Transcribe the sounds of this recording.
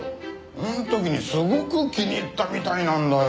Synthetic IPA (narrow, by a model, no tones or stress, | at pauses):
õnt̪okʲiɲ̟isɨɡokɯkʲiɲʲit̪ːamʲit̪aɲinãnd̪a